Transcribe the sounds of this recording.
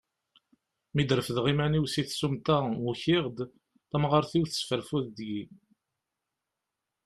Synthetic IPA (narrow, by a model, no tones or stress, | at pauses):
mid̪ɾəfðʁimæniwsiθsumt̪æuçiʁd̪ | θæmʁəɾθiwθəsfəɾfuðd̪ji